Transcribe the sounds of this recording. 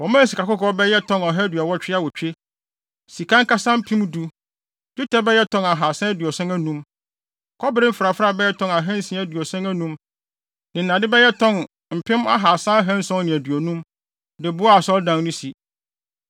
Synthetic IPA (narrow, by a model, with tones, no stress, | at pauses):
wɔ˨mãː˦˨si˨ka˨kʊ˦kɔ˦bɛ˦jɛ˦tʰɔ̃˦nɔ˨ɦɛ˦dɥa˨wɔ˦t͡ɕᶣɪ˦a˦wɔ˨t͡ɕᶣe˦ | si˨kã˦ŋ˦ka˦sã˦m̩˦pʰĩ˦m˦du˨ | d͡ʒu˦tʰɛ˦bɛ˦jɛ˦tʰɔ̃˦na˨ɦa˨sã˦æ˦dɥɔ˨sɛ̃˦ŋæ˦nũ˦m | kʰɔ˦bɪ˦ɾɪ˦m̩˦fɾa˨fa˦˨bɛ˦jɛ˦tʰɔ̃˦ŋa˨ɦɛ̃˦n̩˦sĩ˨˦æ˦dɥɔ˨sɛ̃˦ŋæ˦nũ˦m | nɪ̃˨n̩˨nã˨dɪ˦bɛ˦jɛ˦tʰɔ̃˦n | m̩˨pʰɪ̃˦ma̰˦ɦa˨sã˦ɦɛ̃˦n̩˦sɔ̃˦ŋ˦nɪ̃˨æ˨dɥɔ˨nũ˦m | dɪ˨bʊ˦a˨sɔ˦ldã˦ŋnũ˦si˨